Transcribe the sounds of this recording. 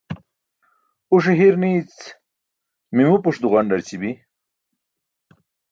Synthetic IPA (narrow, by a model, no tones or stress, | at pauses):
uʂ̬eɦiɾnit͡s | mimupuʂd̪uɣanɖɐɾt͡ɕibi